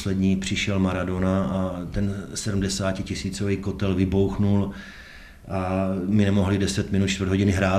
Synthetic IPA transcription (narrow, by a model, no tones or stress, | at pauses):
slɛdɲiːpr̝̥ɪʃɛlmaɾado̞naat̪ɛnsɛdm̩dɛsaːcɪcɪsiːt͡soviːkot̪ɛlvɪbo̞wxnul | ʔamɪnɛmo̞ɦlɪdɛsɛt̪mɪnut̪̚t͡ʃt̪vrd̪ɦoɟɪnɪɦɾaː